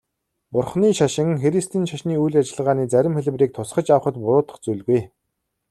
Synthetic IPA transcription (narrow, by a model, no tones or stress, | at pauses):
pʊrχniːʃaʃɪ̆ŋxeɾist̪ʰiːnʃaʃniːujɮat͡ɕɪ̆ɮʁaːniːt͡sæɾʲɪ̆mχeɮ̆wriːk̚t̪ʰʊsχə̆t͡ɕaw̆χə̆t̪pʊɾʊːt̪ə̥̆χt͡suɮɣuj